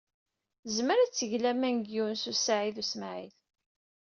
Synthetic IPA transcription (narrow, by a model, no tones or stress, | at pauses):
zməɾæt͡sːəʝlæmænɡiwnsusaʕiðusmaʕḭl